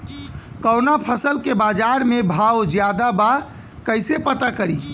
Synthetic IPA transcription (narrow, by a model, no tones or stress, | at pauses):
kəwnapʰəsəlkebad͡ʒaɾmebʱawd͡ʒjad̪aba | kəɪsepət̪akəɾi